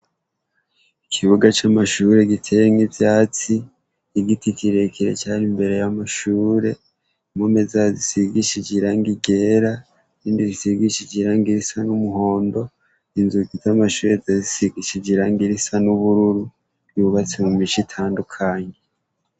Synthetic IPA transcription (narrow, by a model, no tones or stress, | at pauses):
ikʰiβuɡat͡ʃamaʃuɾe̞ɡitʰejeŋivjaːt͡siː | ɡitikiɾekʰiɾḛt͡ʃaːnimbe̞ɾe̞jamaʃuːɾe̞ | mome̞zazisiɡiʃid͡ʒiɾaŋɡiɡe̞ːɾa | ɾiːndizisiɡiʃid͡ʒiɾaːŋɡiɾisanumuɦo̞ːndo̞ | inzuɡizamaʃuːɾezazisiɡiʃid͡ʒiɾaːŋɡiɾisanuβuɾuɾu | ɡiβuβat͡simumiʃitʰaːndukʰaɲe